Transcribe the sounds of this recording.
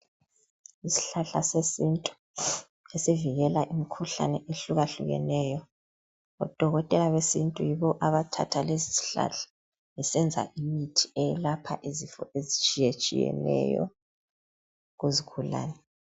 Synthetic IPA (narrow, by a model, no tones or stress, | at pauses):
isi̥ɬaɬasesintʼu̥ | esiviɣɛlaʔimikʰuɬa̰nɛʔeɬuɣaɬṵɣɛ̰nɛːjɔ | ɔ̰d̥ʱɔɣɔtʼɛlaβesintʼujiβɔʔaβatʰa̰tʰalezisi̥ɬa̰ɬḁ | isɛnd͡zʱa̰ʔimitʰi̥ɛjɛlapʰaʔezifɔ̰ʔezit͡ʃʼijet͡ʃʼḭjɛ̰nɛ̰jɔ̰ | ɣuziɣʰula̰ːnɛ